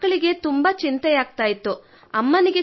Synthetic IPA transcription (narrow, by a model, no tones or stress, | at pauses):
ɐɭiɡe̞t̪umbɐt͡ʃint̪ɛjaːɡ̚t̪aːjit̪ːu | ɐmːɐniɡe̞